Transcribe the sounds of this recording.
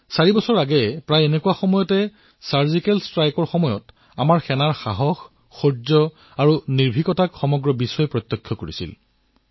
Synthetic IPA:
saɹibɔsɔɹaɡɛpɹajenɛkuwaxɔmɔjɔtɛ | saɹzikɛlstɹajkɔɹxɔmɔjɔt | amaɹxɛnaɹxa̰ɦɔx | xozɔ | aɹuniɹbʱikɔtakxɔmɔɡɹɔbisɔjɛpɹɔt̪jɔkʰːjɔkoɹḭsḭl

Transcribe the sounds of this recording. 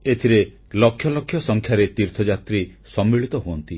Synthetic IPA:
et̪ʰiɾe | lɔkʰːjɔlɔkʰjɔsɔŋkʰjaɾet̪iɾt̪ʰɔd͡ʒat̪ɾisɔmːiɭit̪ɔɦoɔnt̪i

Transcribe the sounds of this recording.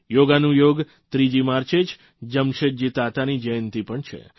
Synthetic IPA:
joɡanũjoɡ | t̪ɾid͡ʒimaɾt͡ʃet͡ʃ | d͡ʒəmʃed͡ʒit̪at̪anid͡ʒəjənt̪ipəɳt͡ʃʰḛ

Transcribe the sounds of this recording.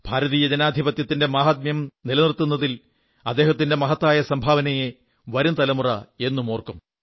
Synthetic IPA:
b̥ʱaːɾɐðiːjɐd͡ʑɐnaːd̪ʱibɐt̪jɐt̪ːinde̞maːɦaːt̪̬̚mjɐmnilɐnirt̪ːunːɐðil | ɐd̪ːe̞ːɦɐt̪̬ːinde̞mɐɦɐt̪ːaːjɐsɐmbʱaːʋɐnɐje | ʋɐɾumt̪ɐlɐmurɐe̞nːumo̞ːrkum

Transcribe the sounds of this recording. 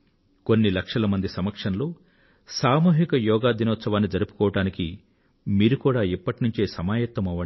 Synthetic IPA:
konːilɐkʂɐlɐmɐnd̪isɐmɐkʂɐnloː | saːmuːɦikɐjɔːɡaːd̪inɔːt̪sɐʋaːnːid͡ʒɐɾupu̥kɔːʋɐʈaːniki | miːɾukuːɽaːipːɐʈinuɲt͡ʃe̞ːsɐmaːjɐt̪ːɐmɐʋɐɳ

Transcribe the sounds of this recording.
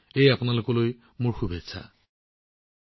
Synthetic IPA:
ejapʊnalʊkɔloj | mʊɹxubʱesʰa̰

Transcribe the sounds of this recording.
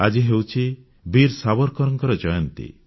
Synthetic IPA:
ad͡ʒiɦewt͡ʃʰi | biɾsabɔɾkɔɾɔŋkɔɾɔd͡ʒɔjɔnt̪ḭ

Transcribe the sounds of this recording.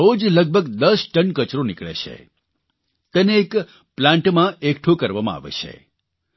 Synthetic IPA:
od͡ʒləɡ̚bʱəɡd̪əsʈəɳkət͡ʃɾonikɭḛt͡ʃʰḛ | t̪eneːk | plãɳʈmãekʈʰukəɾʋamãa̰ʋḛt͡ʃʰḛ

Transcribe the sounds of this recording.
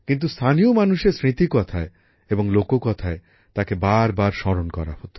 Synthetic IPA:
kint̪̬ust̪ʰaniomanuʃeɾsɾit̪ikɔt̪ʰae | eboŋlokokɔt̪ʰae | t̪akebaɾbaɾʃɔɾonkɔɾa̰hot̪o̥

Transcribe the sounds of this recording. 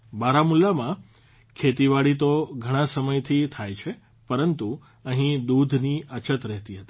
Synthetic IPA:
baɾamulːamã | kʰet̪iʋaɽit̪oɡʱəɽ̃ãsəməjt̪ʰit̪ʰajt͡ʃʰe | pəɾənt̪u | əɦĩd̪ud̪ʱniət͡ʃət̪ɾɛɦt̪iɦət̪i̥

